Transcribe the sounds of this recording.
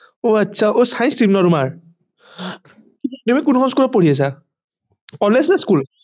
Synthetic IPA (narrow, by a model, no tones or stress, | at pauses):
oatːsʰaʔosaj̃nsɹimnɔɹumaɹ | nemikunukʰɔnskulɔpoɹias̬a | kɔleznaskul